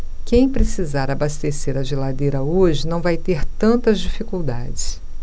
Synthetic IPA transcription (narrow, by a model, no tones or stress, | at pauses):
kẽj̃pɾesizaɾabast̪eseɾɐʒelad̪ejɾɐoʒɪnɐ̃w̃vajt̪eɾt̪ɐ̃nt̪ɐzd͡ʒifikuwd̪ad͡ʒɪs